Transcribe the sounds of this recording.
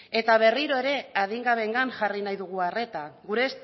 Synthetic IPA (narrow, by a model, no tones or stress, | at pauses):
e̞t̪aβ̞e̞riɾo̞e̞ɾe̞aðiŋɡaβe̞ŋɡanʝarinajðuɣ̞uare̞t̪aɣuɾe̞s